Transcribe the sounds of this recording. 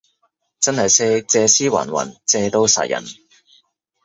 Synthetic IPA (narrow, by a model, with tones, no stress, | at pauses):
t͡sɐ˥nhɐ˨jsɛː˥t͡sɛː˧siː˥wɐ̰ː˨˩nwɐ̰˨˩nt͡sɛː˧t̪o˥wsa̰ː˨˩jɐ̰˨˩n